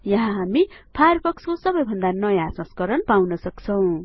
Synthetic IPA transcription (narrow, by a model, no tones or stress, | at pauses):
jʌɦãɦami | pʰajʌrpʰʌkskosʌbʌjbʱʌnd̪anʌjãsʌ̃skʌɾʌnpawnʌsʌkt͡sʰʌw̃